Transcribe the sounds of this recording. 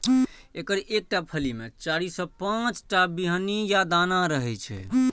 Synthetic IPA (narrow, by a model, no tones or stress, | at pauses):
ekəɾek̚ʈapʰəlimet͡ʃaɾisɔ̃pãt͡ʃʈabiɦənijad̪anaɾəɦɛt͡ʃʰɛ̰